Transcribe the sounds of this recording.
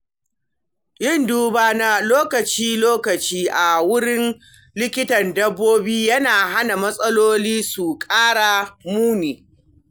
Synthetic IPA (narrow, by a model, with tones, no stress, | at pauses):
ʔɪ˦˨nduː˦baː˦na˨loː˦kɐ˨t͡ʃiː˦loː˦kɐ˨t͡ʃiː˦ʔa˨wʊ˦ɽɪ˦n | lɪ˦kʲɪ˦tɐ˨ndɐ˦bːoː˦biː˦jɐ˦naː˨ɦa˦na˨mɐ˦sʼɐ˦loː˦liː˦su˨kʼaː˦ɽa˨muː˦niː˨